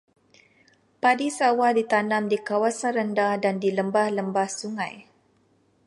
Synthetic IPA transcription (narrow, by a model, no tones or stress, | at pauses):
padisawadit̪anamdikawasanrəndahdandiləmbahləmbahsuŋaj